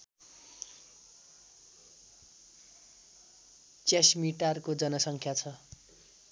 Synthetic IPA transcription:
t͡sasmiʈarkod͡zʌnʌsʌŋkʰjat͡sʰʌ

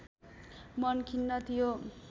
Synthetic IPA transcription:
mʌnkʰinːʌt̪ijo

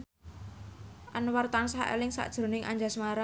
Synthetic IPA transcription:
ʔanwart̪ansaʔḛlɪŋsa̰ʔd̥ʒ̥ɾo̤nɪŋʔa̰ɲd͡ʒasmaɾa

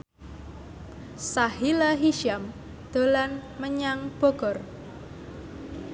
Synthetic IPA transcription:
sahilaɦiʃam | d̪̥o̤lanməɲaŋb̥o̤ɡ̥ɔr

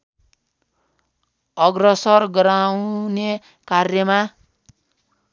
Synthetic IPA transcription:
ʌɡrʌsʌrɡʌɾawne | karjʌma

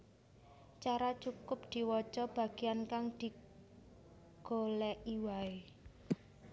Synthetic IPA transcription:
t͡ʃaɾat͡ʃukʊp̚d̪̥i̤wɔ̥t͡ʃɔb̥ä̤ɡ̥iankaŋd̪̥i̤ | ɡ̥o̤lɛʔiwae

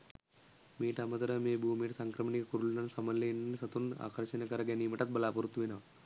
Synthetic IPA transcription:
miːʈɐmɐt̪ɐɾɐmeːbʱuːmiːʈsaŋkɾɐmɐɳikɐkuɾulnɐnsɐmɐlːennsɐt̪una̰ːkɐɾʃɐnɐkɐɾɐɡjɐnimɐʈɐt̪̚bɐlaːpɐɾut̪ːʋinɐʋ

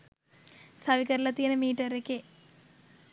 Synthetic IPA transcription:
sɐʋikɐɾlɐt̪ːinɐmiːʈːɐɾekːe

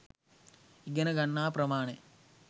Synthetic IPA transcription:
iɡɐnɐɡɐɳːaːpɾɐmaːɳe

